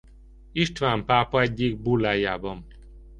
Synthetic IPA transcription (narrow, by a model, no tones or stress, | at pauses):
iʃt̪ʋaːmpaːpɒɛɟːiɡ̚bulːaːjaːbɒn